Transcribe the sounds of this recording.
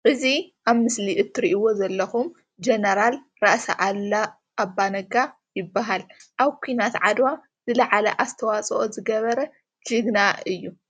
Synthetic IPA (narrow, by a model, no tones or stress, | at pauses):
ʔɨziʔaβmɨsliʔɨt̪ʰːɨɾiʔiwo̞zɐlːɐxum | d͡ʒenɐɾal | ɾaʔsa̰ʔala | ʔːbːanɐɡa | jɪbːaɦalʔaβkʷʰujnat̪ʕad̪wa | zɨlɐʕalɐʔast̪ʰɐwat͡sʼʔozɨɡɐβɐɾɐ | d͡ʒɨɡnaɨjːu